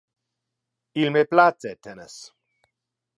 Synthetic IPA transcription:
ilmeplat͡setʰɛnə̰s

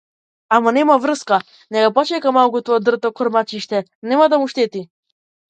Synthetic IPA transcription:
amanɛmavɾəska | nɛɡapɔt͡ʃɛkamalˠkut̪ɔad̪r̩t̪ɔkɔɾmat͡ʃiʃt̪ɛnɛmad̪amuʃt̪ɛt̪i

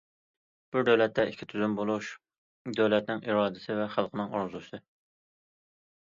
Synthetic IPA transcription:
b̥uɾd̪æwlɛt̪ːɛikʲʰːit̪ʰyzymbolˠuʃ | d̪øwlɛt̪nɪŋʔiɾɑːd̪ɪsɪvɛχælˠqʰənɨŋɑ̰ɾzusɨ

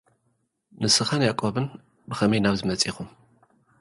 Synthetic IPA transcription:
nɨsɨxɐnjakʼoβɨn | bɨxɐmɐjnaβzɨmɐt͡sʼixum

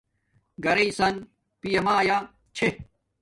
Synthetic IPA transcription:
ɡɐɾeisɐn | pijɐmaːja | t͡ɕʰe

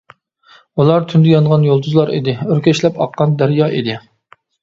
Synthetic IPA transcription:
ulˠɑɾt̪ʰynd̪ɪjɑnʁɑnjolˠd̪uzlˠɑɾḭd̪ɪøɾkʲɛʃlɛpɑ̰qːɑnd̪æɾjɑːʔid̪ɪ

